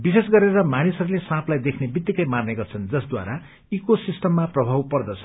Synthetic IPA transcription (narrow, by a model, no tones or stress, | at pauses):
bisesɡʌɾeɾʌmanisʌɾulesãpʰlajd̪ekʰnebit̪ːikʌjmarneɡʌrt͡sʰʌnd͡zʌsd̪wa̰ɾa | ikosisʈʌmːaprʌbʱawpʌrd̪ʌt͡sʰʌ